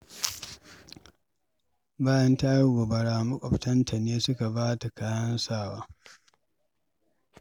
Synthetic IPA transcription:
baː˦jɐ˦nta˦ji˦ɡʷo˨bɐ˨ɽaː˨mɐ˦kʷʼɔ˨ɸtɐ˦ntʰa˨neː˦sʊ˦ka˨baː˦ta˨ka˦jɐ˦nsaː˦˨wa̰ː˦

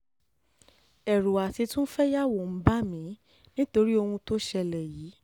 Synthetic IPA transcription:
ɛ˨ɾu˨a˨ti˧tũ˦fɛ˦ja˦wo˨m̩˨˦ba˦mĩ˨˦ | nĩ˦to˧ɾi˦o˧hũ˧to˦ʃɛ˧lɛ˨jiː˨˦

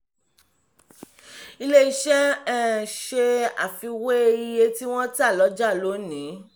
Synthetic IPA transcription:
i˧le˦i˧ʃɛ˦ɛ˦ʃe˧a̰˨fi˧we˦˧i˧je˧ti˦w̃ɔ̃˦ti˦a˦˨lɔ˨˦d͡ʒa˦˨lo˨˦nĩ˨˦

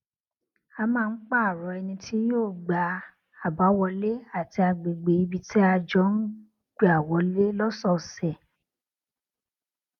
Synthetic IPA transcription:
a˧mãː˦˧˦k͡pa˦˨ɾɔ˨˧˦ɛ˧nĩ˧tʰi˦joː˦˨ɡ͡ba˨˧˦ | a˨ba˨˦wɔ˧le˦a˦˨ti˧a˧ɡ͡be˨ɡ͡be˨i˧bi˧tʰi˦a˧d͡ʒɔ˨˦n̩˦ | ɡ͡be˦a˨wɔ˨˦le˦lɔ˦sɔ˦˨sɛ˨

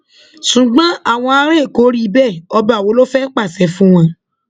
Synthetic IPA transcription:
sũ˨ɡ͡bã˦a˦˨w̃ɔ̃˧a˧˦ɾe˦˨ko˨˦ɾi˦bɛ˦˨ɔ˧ba˨wo˨˦lo˦fɛ˦k͡pa˦˨sɛ˨˦fũ˦w̃ɔ̃˧

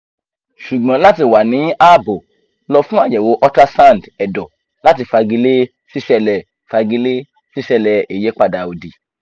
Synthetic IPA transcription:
ʃu˨ɡ͡bã˨˦la˦ti˧wa˨nĩ˨˦a˦˨bo˨ | lɔ˧fũ˦a˦˨d͡ʒɛ˨wo˧ʔɔ˦ta˦sã˦˨n˨dɛ˨dɔ˨ | la˦ti˧fa˧ɡi˧le˦ | si˦ʃɛ˦˧lɛ˨ | fa˧ɡi˧le˦ | si˦ʃɛ˧lɛ˧e˨je˨˦k͡pa˧da˧˨o˨di˨

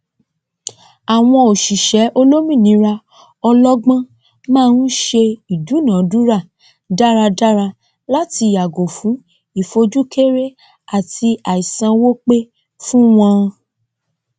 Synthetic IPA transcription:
a˨w̃ɔ̃˧o˨ʃi˨ʃɛ˨˦ʔo˧lo˦mĩ˦˨nĩ˨˦ɾa˧ | ɔ˧lɔ˦ɡ͡bã˦ | mãː˦˧n̩˦ʃe˧i˨du˨˦nã˨˦du˦ɾa˦˨ | da˦ɾa˧da˦ɾa˧ | la˦ti˧˨a˨ɡo˨fũ˨˦ | i˦˨fo˧d͡ʒu˦ke˦ɾe˦ | a˨tʰi˧a˨i˨sã˧wo˦k͡pe˦ | fũ˦w̃ɔ̃˧

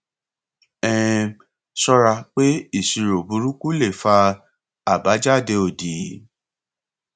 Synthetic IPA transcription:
ɛ̃˦˨ | sɔ˧ɾa˧k͡pe˦i˦˨si˨ɾo˨bu˨˦ɾu˦ku˦le˦˨fa˧ | a˨ba˨˦d͡ʒa˦˨de˧˦o˨di˨

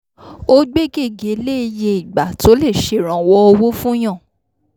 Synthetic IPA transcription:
o˦ɡ͡be˦ɡe˦˨ɡe˨˦le˦i˧je˧i˨ɡ͡ba˨to˨˦le˦˨ʃe˨ɾ̃ã˨wɔ˧ɔ˧wo˦fũ˦j̃ã˦˨

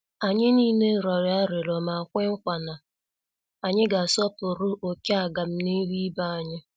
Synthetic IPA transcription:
a˨ɲɪ˦niː˦ne˦˨ɾɔ˨ɾɪ˨a˦ɾɪ˨lɔ˨ma˨kʷe˦ŋ̩˦kʷa˨na˨ | a˨ɲɪ˦ɡa˨sɔ˦pʊ˨ɾʊ˦ʔo˨ka˨ɡa˨m̩˦ni˦li˦ba˦a˨ɲɪ˦

